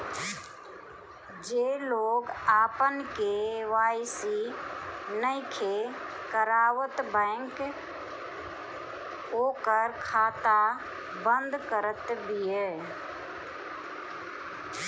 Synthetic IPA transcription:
d͡ʒeːloːɡaːpənkeʋaːɪsi | nəĩkʰekəɾaːʋət̪bə̃ŋk | oːkəɾkʰaːt̪a | bə̃nd̪kəɾət̪bijə

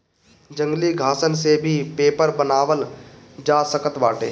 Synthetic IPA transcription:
d͡ʒə̃ŋɡliɡʱaːsənsebʱipeːpəɾbənaːʋəl | d͡ʒaːsəkət̪baːʈeː

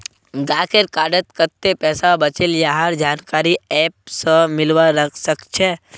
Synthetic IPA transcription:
ɡaːkeɾkaːɖət̪kəɾt̪ːepɛːsabət͡ʃiljaɦaɾd͡ʒaːnkaːɾiɛːp̚sə̃mɪlʋaɾəkʰsəkt͡ʃʰɛ

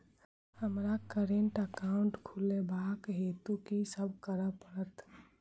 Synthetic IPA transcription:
həmɾakəɾeɳʈəkaːʊɳʈkʰulebʱaːkɦeːt̪ukisəb̚kəɾəpəɽət̪

